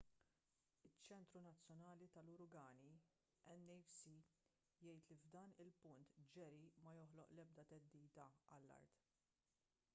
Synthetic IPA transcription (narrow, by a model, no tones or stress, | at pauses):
ɪt͡ʃːɛnt̪ɾunɐt͡sːjɔnɐːlit̪ɐlʊɾʊɡɐːni | ɛnːɛfsi | jɛjt̪livd̪ɐːnɪlpʊnt̪d͡ʒɛɾimɐjɔħlɔʔlɛb̚d̪ɐt̪ɛd̪ːiːd̪ɐɐlːɐ̰ɾt̪